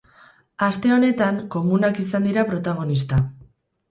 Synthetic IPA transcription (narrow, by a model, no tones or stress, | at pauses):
ast̪e̞o̞ne̞t̪aŋko̞munakisand̪iɾapɾo̞t̪aɣ̞o̞nist̪a